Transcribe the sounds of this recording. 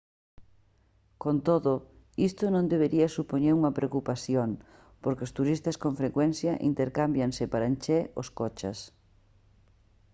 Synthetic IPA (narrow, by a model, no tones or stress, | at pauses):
kont̪oðʊ | ist̪ʊnõnd̪eβ̞eɾiɐsupoɲeɾuŋɐpɾeokupaθjoŋ | poɾkeost̪uɾist̪ɐskoɱfɾekwɛnθjɐʔḭnt̪eɾkambjansɪpaɾant͡ʃɛoskot͡ʃɐ̰s